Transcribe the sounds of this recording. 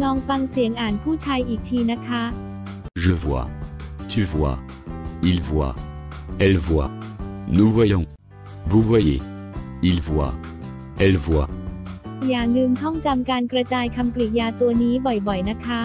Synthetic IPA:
lɔː˧ŋfa˧ŋsi˨˩˦əŋʔaː˨˩npʰuː˥˩t͡ɕʰaː˧jʔiː˨˩k̚t̪ʰiː˧na˦˥kʰa˦˥ | ʒə˧vwa̰ː˧t̪ʰy˧vwa̰ː˧˩ | i˨˧lvwa̰ː˧˩ʔɛ˧lvwa̰˧˩nu˧vwa˦jo˧ŋ | bu˧vwa˧jḛ˨˩ | i˨lvwa̰ː˧˩ | ʔɛ˧˩lvwaː˧˩ | jaː˨˩ŋnɯ˧nt̪ʰɔ˥˩ŋt͡ɕa˧mkaː˧nkɾa˧t͡ɕaː˧jkʰa˧mkli˨˩jaː˧t̪u˧ɐniː˦˥bɔ˨˩jbɔ˨˩jna˦˥kʰa˦˥

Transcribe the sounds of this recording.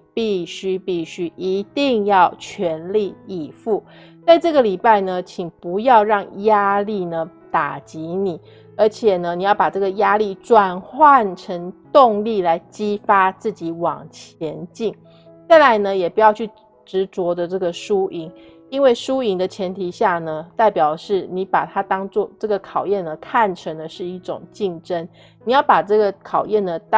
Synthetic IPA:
pi˥˩ɕy˥pi˥˩ɕy˥ʔi˧˥t̪i˥˧ŋjɑ˥˩ʊt͡ɕʰɥɛ˧˥nli˥˩i˨˩fu˥˩ | t͡sa˥˧ɪʈ͡ʂɤ˥˩ɡə˨li˨˩pa˥˩ɪnə˩t͡ɕʰi˨˩ŋpu˧˥jɑ˥˧ʊɻɑ˥˩ŋja˥li˥˩nə˩ | t̪a˨˩t͡ɕi˧˥ni˨˩˦ | ə˞˧˥t͡ɕʰjɛ˨˩nə˦ni˨jɑ˥˩ʊpa˨˩ʈ͡ʂɤ˥˩ɡə˩ja˥li˥˩ʈ͡ʂwa˨˩nxwa˥˩nʈ͡ʂʰə˧˥ŋt̪ʊ˥˧ŋli˥˩la˧˥ɪt͡ɕi˥fa˥t͡sɹ̩˥˩t͡ɕi˨˥˦wɑ̰˨˩ŋt͡ɕʰjɛ˧˥nt͡ɕi˥˩ŋ | t͡sa˥˩la˧˦ɪnə˧jɛ˨˩pu˧˥jɑ˥˧ʊt͡ɕʰy˥˩ | ʈ͡ʂɻ̩˧˥t͡swɔ˧˥d̪ə˨ʈ͡ʂɤ˥˩ɡə˩ʂu˦˥ʔi˧˥ŋ | i˥nwe˥˩ɪʂu˦i˧˥ŋd̪ə˨t͡ɕʰjɛ˧˦˥nt̪ʰi˧˥ɕja˥˩nə˩t̪a˥˩ɪpjɑ˨˩ʊʂɻ̩˥˩ni˨˧˥pa̰˨˩t̪ʰa˥t̪ɑ˥ŋt͡swɔ˥˧ʈ͡ʂɤ˥˩ɡə˩kʰɑ˨˩ʊjɛ˥˩nə˩kʰa˥˨nʈ͡ʂʰə˧˥ŋd̪ə˨ʂɻ̩˥˧i˥˩ʈ͡ʂʊ̰˨˩ŋt͡ɕi˥˧ŋʈ͡ʂə˦˥n | ni˨˩jɑ˥˩pa˨˩ʈ͡ʂɤ˥˩ɡə˩kʰɑ˨˩ʊjɛ˥˩nd̪ə˩t̪

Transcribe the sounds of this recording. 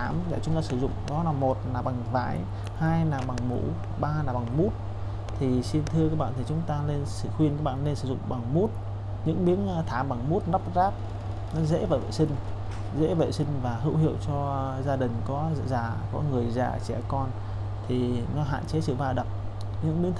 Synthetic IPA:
aː˨˦mɗɛ̰˧˨˩t͡ɕʊ˨˦ŋ͡mt̪aː˧sɨ˧˩zʊ̰˧˨ŋ͡mɗɔ˨˦laː˨˩mo˨˩t̚naː˨˩ɓa˨˩ŋva̰ː˧˩j | haː˧jnaː˨˩ɓa˨˩ŋmṵ˧˥ | ɓaː˧naː˨˩ɓa˨˩ŋmu˦˥t̚ | t̪ʰi˨˩si˧nt̪ʰɨ˧əka˦k̚ɓa̰ː˧˨nt̪i˨˩t͡ɕʊ˨˦ŋ͡mt̪aː˧le˧nsɨ̰˧˩xwi˧nkaː˦k̚ɓa̰ː˧˨nle˧nsɨ˧˩zʊ̰˧˨ŋ͡mɓa˨˩ŋmu˦˥t̚ | ɲɨ̰˧˥ŋɓi˨˦ənː˧t̪ʰaː˧˩ɓa˨˩ŋmu˦˥t̚na˦˥p̚zaː˦˥p̚ | nɔ˨˦zḛ˧˥vḛ˧˨˩vḛ˧˨sï˧ŋ̟ | zḛ˧˥vḛ˧˨jsï˧ŋ̟vaː˨˩ɦɨ̰˧˥whḭ˧˨əwt͡ɕɔ˧zaː˧ɗï˨˩ŋ̟kɔ̰˨˦˧zaː˨˩kɔ˨˦ŋɨ˨˩əjza̰ː˨˩t͡ɕɛ̰˧˩kɔ˧n | t̪ʰi˨˩nɔ˨˦ɦa̰ː˧˨nt͡ɕe˨˦sɨ̰˧˨vaː˧ɗə˨˩p̚ | ɲɨ̰˧˥ŋɓi˨˦əŋ

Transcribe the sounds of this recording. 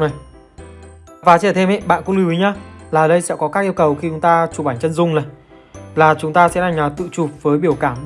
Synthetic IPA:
na˨˩j | vaː˨˦t͡ɕɛ˧˩t̪ʰe˧mʔɛ̰˧˨ɓa̰ː˧˨nkʊ̰˧˥ŋlu˧wi˨˦ɲaː˧laː˨˩˨ɗə˧jsɛ̰˧˥kɔ˨˦kaː˦˥k̚ʔi˧əwkə˨˩wxi˧t͡ɕʊ˨˦ŋ͡mt̪aː˧t͡ɕu˨˩ɓaː˧˩ŋt͡ɕə˧nzʊ˧˩ŋ͡mnə˨˩j | laː˨˩t͡ɕʊ˨˦ŋ͡mt̪aː˧sɛ̰˧˥na˨˩ŋlaː˨˩t̪ɨ̰˧˨t͡ɕu˨˩p̚vəː˨˦jɓi˧˩əwkaː˧˩m

